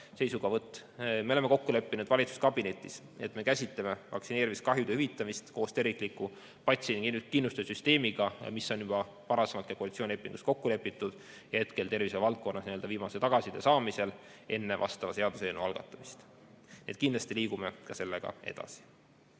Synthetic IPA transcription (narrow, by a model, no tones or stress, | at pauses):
se̞jsuɡ̥ɑvɤt̪ːˑme̞o̞lemːe̞ko̞kːule̞pːinud̪vɑlʲit̪su̥skɑb̥ine̞t̪ːˑis | e̞̰t̪ˑme̞kæsʲit̪leme̞vɑ̰ksine̞ːɾiviskɑɦjud̪eyvit̪ˑːɑmist̪ko̞ːst̪eɾvikˑliku | pɑt̪siniŋɡinkinːust̪esyst̪e̞ːmiɡ̥ɑmisːo̞njubɑ | pɑɾɑse̞mɑt̪kɑkoɑlit̪sioːnʲilepːˑiŋɡust̪̚ko̞kːule̞pːˑit̪ːˑud̪̥ | jɑhe̞t̪ke̞lt̪e̞rviselvɑlt̪̚ko̞nːɑsnie̞ld̪ɑviːmɑset̪ɑɡ̥ɑsid̪̥esɑːmise̞l | e̞nːevʔɑ̰st̪ɑvɑseɑd̪use̞ːnuɑlɡ̥ɑ̰t̪ːˑɑmist̪ | nied̪̚kind̪lɑst̪iliːɡ̥ume̞kɑse̞lːe̞ɡ̥ɑ̰e̞̰d̪̥ɑ̰si̥